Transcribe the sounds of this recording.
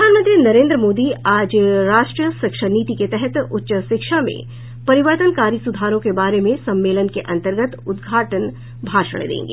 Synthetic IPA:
pɾəd̪ʱaːnmə̃nt̪ɾinɐɾẽːnd̪ɾəmoːd̪iaːd͡ʒɾaːʃʈɾiəʃɪkʃəniːt̪iket̪ɛɦɛt̪ʊtːʃəʃɪkʃamḛ̃ | pɐɾɪʋəɾt̪ənkaːɾisʊd̪ʱaːɾõkebaːɾemẽsɐ̃mːeːlənkeʔɐ̃nt̪əɾɡət̪ʊd̪ɡʱaːʈən | bʱaːʃə̰ɽ̃d̪ḛ̃ːŋɡḛː

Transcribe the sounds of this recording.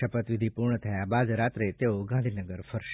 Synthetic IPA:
əpət̪ʋid̪ʱipuɾɳət̪ʰəjabad̪ɾat̪ɾet̪eoɡãnd̪ʱinəɡəɾfʰəɾʃ

